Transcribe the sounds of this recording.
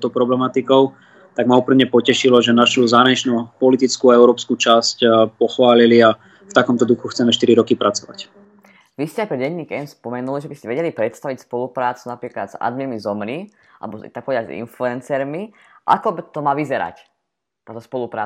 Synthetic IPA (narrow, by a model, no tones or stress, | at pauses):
t̪ɔpɾɔblɛmat̪ikɔʊ | t̪aɡmaupɾimɲɛpɔcɛʃilɔʒɛnaʃuzaːɦɾaɲit͡ʃnupɔlit̪it͡skuaɛʊɾɔːpskut͡ʃascpɔxʋaːlilia | ft̪akɔmt̪ɔd̪uxuxt͡sɛmɛʃt̪iɾiɾɔkipɾat͡sɔʋa̰c | ʋiscɛajkɔɟɛɲːiːkɛnspɔmɛnuliʒɛbiscɛʋɛɟɛlipɾɛt̪st̪aʋicspɔlupɾaːt͡sunapɾiːkla̰d̪z̥a̰d̪miɾmizɔmɾi | a̰lɛbɔt̪ak̚pɔʋɛd̪azḭnfluɛnt͡sɛɾmi | ʔa̰kɔt̪ɔmaːʋizɛɾa̰c | t̪ɔt̪ɔspɔlupɾa̰ː